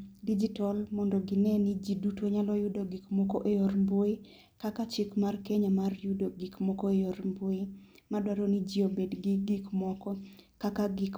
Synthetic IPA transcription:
did͡ʒitɔlmɔndɔɡɪnɛnɪd͡ʒidutwoɲalɔjʊdoɡikmɔkɔʔejormboi | kakat͡ʃɪkmarkeɲamarjʊdoɡikmɔkɔejoɾmboɪ | madwaɾonid͡ʒiobedɡɪɡɪkmɔkɔ | kakaɡɪk

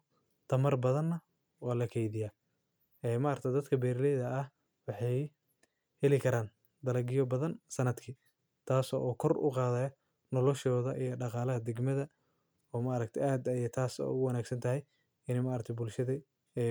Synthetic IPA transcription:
t̪ʰɐmɐrbɐðɐnːɐ | waːlɐkʰɛjðɪjaː | ɛːmɐʔɐɾɐk̚t̪ʰɛd̪ɐd̪kʰɐbɛːɾɪlɛjðɐːh | wɑħɑj | hɛlɪkʰɐɾaːn | d̪ɐlɐɡɪjɔbɐðɐnsɐnɐd̪kʰiː | t̪ʰaːsɔʔɔːkʰɔrʊ̰qɑːðɛjɐ | nɔlɔʃɔːðɐʔijɔɖɑqɑːlɐɦɐd̪ɛɡmɐðɐ | ɔːmaʔːɾɐk̚t̪ʰɛʔaːd̪ɐjɐt̪ʰaːsɛ̰ʊɣʊwɑnaːɡsɐnt̪ʰɐɦɛj | ɪnɛmaʔːɾɐkt̪ʰbʊlʃɐðɛ

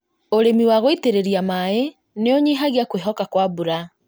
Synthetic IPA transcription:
oɾemiwaɣoiteɾeɾiamae | neɔɲiɦaɣeakweɦɔkakwabuɾa

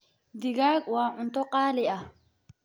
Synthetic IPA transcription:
d̪ɪɣaːɡwɑːʕʊnt̪ɔqʼɑːlɪɐ

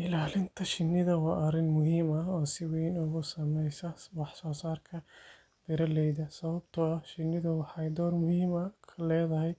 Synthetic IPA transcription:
ʔɪlaːlɪnt̪ʰɐʃɪnːɪðɐwɑːʔɐɾɪnmʊɦiːmɐɦɔːsɪwiːnʊɣʊsɐmɛjsɐwɑħsɔːsaːrkʰɐ | b̥ɪɾɐlɛjðɐsɐβɐb̚t̪ʰʊɐhʃɪnːɪðɐwɑħɑjd̪ɔːrmʊhiːmɐkʰɐlɛːðɐɦɛj

